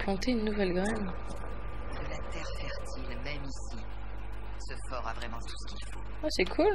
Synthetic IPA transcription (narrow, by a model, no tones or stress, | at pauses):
plɑ̃t̪eynːuvɛlɡʁɛn | səlat̪ɛʁfɛʁt̪ʰilmɛmisi | səfɔʁavʁɛmɑ̃t̪ʰu̥sə̥kʲilfo | asɛkʰul